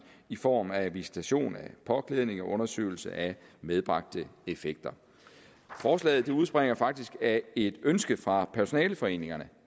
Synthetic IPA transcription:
ifɒ̰ːmæʋisi̥t͡sʰæɕo̝̰ːnæpʰɒ̽kʰleðˠne̝ŋɒ̽ʔɔ̽nɐsø̰ːɪl̩sə̰ʔæmeð̞ˠb̥ʁɑ̈ɡ̥̚d̥əe̝feɡ̥̚d̥ɐ | fɒːslɛ̰ːð̞̩ˠd̥euð̞ˠsb̥ʁeŋ̰ɐfɑ̈ɡ̥̚d̥isɡ̥æe̝d̥ønsɡ̥əfʁɑ̈pʰæɐso̝nɛ̰ːləfɒ̽e̝̰ːne̝ŋɐnə

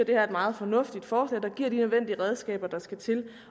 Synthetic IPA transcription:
ɐd̥e̝hæɐed̥mɑ̈ːð̞̩ˠfɒ̽nɔ̽fd̥id̥fɒːslɛ̰ːd̥ɑ̈ɡ̥ḭɐ̰ɾ̥inøð̞ˠʋen̰d̥iəʁɛð̞ˠsɡ̥ɛ̰ːb̥ɐd̥ɑ̈sɡ̥æt͡sʰe̝l

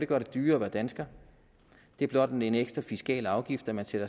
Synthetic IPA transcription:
ɾe̝ɡ̥ɶ̰ɐd̥e̝d̥yːɐʋæɐd̥ænsɡ̥ɐ | d̥e̝æɐb̥lɒ̽d̥ɒ̥eeneɡ̥sd̥ʁɐfisɡ̥ɛ̰ːlɑ̈ʊɡ̥ifd̥æmænsed̥ɐ

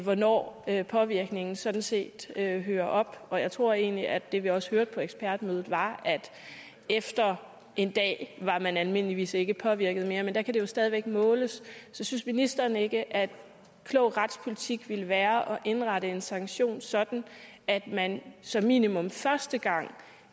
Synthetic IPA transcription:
ʋɒnɒ̰ːøpʰɒ̽ʋiɐɡ̥ne̝ŋn̩sɒ̽d̥n̩se̝̰ːd̥øɦøːɐʔɒ̽b̥ɒ̽jɑ̈ɪt͡sʰʁo̝ɐ̰e̝̰ːnliʔædd̥e̝ʋiɒ̽sə̥høɐd̥̚pʰɒ̽eɡ̥sb̥ʰæɐd̥møːð̞ˠð̩ˠʋɑ̈æd̥ | efd̥ɐ | e̝nd̥ɛ̰ːʋɑ̈mænælme̝n̰əliʋḭːse̝ɡ̥əpʰɒ̽ʋiɐɡ̥əð̞̩ˠme̝ːɐmend̥æ̈kʰæd̥e̝jo̝sd̥ɛð̞ˠiʋeɡ̥̚mɔ̽ːləssɒ̽synsminisd̥ɐːne̝ɡ̥əʔæd̥ | kʰlɔʊ̰ʁɑd̥spʰo̝lit͡sʰiɡ̥ʋeləʋæːɐʔɒ̽ʔe̝nʁɑɾəe̝nsɑ̈ŋɡɕo̝̰ːnsɒ̽d̥n̩æd̥mænsɒ̽mːḭːnimɔ̽mfɶɐsd̥əɡ̥ɑ̈ŋ̰

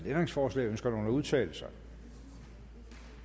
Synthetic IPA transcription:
d̥end̥ʁeŋsfɒːslɛ̰ɪønsɡ̥ɐno̝̰ːn̩æuð̞ˠt͡sʰɛ̰ːləsɑ̈ɪ

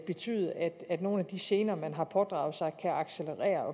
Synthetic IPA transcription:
b̥e̝t͡sʰy̰ːðˠæd̥æd̥no̝ːn̩æd̥iɕe̝ːnɐːmænɦɑ̈pʰɒ̽d̥ʁɑ̈ːʊð̩ˠsɑ̈ɪkʰæʔɑ̈ɡ̥seləʁɛ̰ːɐɒ̽

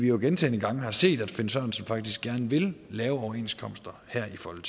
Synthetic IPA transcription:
ʋijoɡ̥ent͡sʰḛːnəɡ̥ɑ̈ŋ̰əhɑ̈se̝̰ːd̥æd̥fe̝nsɶːn̩sɒ̽mfɑ̈ɡ̥d̥isɡ̥æɐnʋe̝llɛːʊɒʊɐe̝̰ːnskʰɒ̽m̰sd̥ɐhæɐ̰ifɒlt͡sʰ

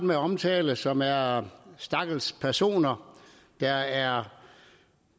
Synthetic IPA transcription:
d̥meɒ̽mt͡sʰɛːləsɒ̽mæɐsd̥ɑ̈ɡ̥l̩spʰæɐso̝̰ːnɐ | d̥ɑæɐ

